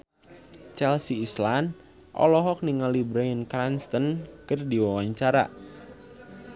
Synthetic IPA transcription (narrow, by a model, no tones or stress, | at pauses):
t͡ʃɛlsiːslan | ʔɔ̰lɔɦɔk̚niŋalibɾainkɾanst̪ənkɨrdiwawaɲt͡ʃaɾa̰ʔ